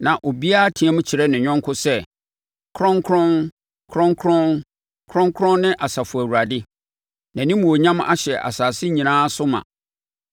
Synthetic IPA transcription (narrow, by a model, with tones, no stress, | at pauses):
nã˨ʔo˨bi˦a˦tʰĩ˨ɛ̃˦mʊ̃˦t͡ɕʰi˨ɾɛ˦nɪ̃˨ɲᶣɔ̃˦ŋ˦kʰʊ˦sɛ˦ | kʰɾɔ̃˦ŋkʰɾɔ̃˦n | kʰɾɔ̃˦ŋkʰɾɔ̃˦n | kʰɾɔ̃˦ŋkʰɾɔ̃˦nnɪ̃˦ʔa˨sa˨fʊ˨æ˨wu˨ɾa˨dɪ˦ | næ̃˨nĩ˦m̃˨wo˨ɲã˦ma̰˦ɕɛ˨ʔa̰˨saː˨sɪ˦ɲĩ˨nãː˦sʊ˦mã̰˨